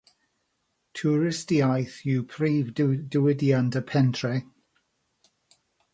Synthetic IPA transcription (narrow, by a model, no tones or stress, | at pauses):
tʰuɹɪstiajθjupʰriːvdəwɪdiantəpʰɛntʰrɛ